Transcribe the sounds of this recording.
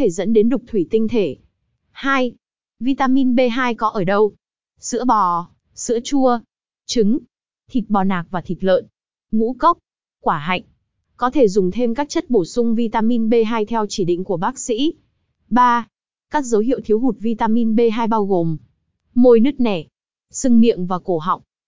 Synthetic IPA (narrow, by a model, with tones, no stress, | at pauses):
t̪ʰe˧˩zə̰˧˥nɗe˨˦nɗʊ˨˩k͡p̚t̪ʰwi˧˩t̪ï˧ŋ̟t̪ʰe˧˩ | haː˧j | vi˧t̪aː˧mi˧nɓe˧ɦaː˧jkɔ˨˦ʔəː˧˩ɗə˧w | sɨ̰˧˥əɓɔ˨˩ | sɨ̰˧˥ət͡ɕu˧ə | t͡ɕɨ˨˦ŋ | t̪ʰi˨˩t̚ɓɔ˨˩naː˨˩k̚vaː˨˩t̪ʰi˨˩t̚lə̰ː˧˨n | ŋṵ˧˥kə˦˥wk͡p̚ | kwaː˧˩ɦa̰˧˨jŋ̟ | kɔ˨˦t̪ʰe˧˩zʊ˨˩ŋ͡mt̪ʰe˧mkaː˦˥k̚t͡ɕə˦˥t̚ɓo˧˩sʊ˧ŋ͡mvi˧t̪aː˧mi˧nɓe˧ɦaː˧jt̪ʰɛ˧wt͡ɕi˧˩ɗḭ˧˨ŋ̟ku˧˩əɓaː˦˥k̚sḭ˧˥ | ɓaː˧ | kaː˦˥k̚zə˨˦wɦḭ˧˨əwt̪ʰi˨˦wɦu˨˩t̚vi˧t̪aː˧mi˧nɓe˧ɦaː˧jɓaː˧wɣo˨˩m | mo˧jnɨ˦˥k̚nɛ˧˩ | sɨ˧ŋmḭ˧˨əŋvaː˨˩ko˧˩ɦa̰˨wk͡p̚